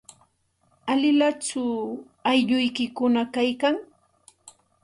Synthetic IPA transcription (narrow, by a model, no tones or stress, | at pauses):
alɪlat͡ʃʊ | ajʎʊjkɪkʊnakajkaŋ